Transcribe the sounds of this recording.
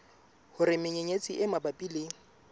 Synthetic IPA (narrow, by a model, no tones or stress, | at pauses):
hʊrɪmɪɲeɲet͡sʼiʔɪmabapʼileːŋ̩